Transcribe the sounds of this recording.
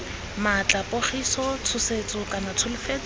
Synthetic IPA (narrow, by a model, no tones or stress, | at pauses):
mat͡ɬapʼoχisɔt͡sʰʊset͡sʼʊkanat͡sʰʊlɪfeːt͡sʼ